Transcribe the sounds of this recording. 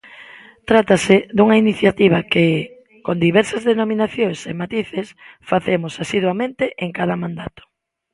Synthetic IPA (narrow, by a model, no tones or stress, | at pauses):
t̪ɾat̪ased̪uŋɐiniθjat̪iβɐke | kond̪iβɛɾsɐzðenominaθjoŋsemat̪iθesfaθemʊsasiðwamẽnt̪eʔeŋkað̞ɐmãnd̪at̪o̥